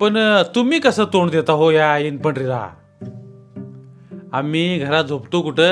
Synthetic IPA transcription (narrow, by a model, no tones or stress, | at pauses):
pəɳt̪umiːkəsəːt̪oɳd̪et̪aɦojainpəɳɾid̪a̰ | amiːɡʱəɾat̪̚d͡zʱopt̪okuʈə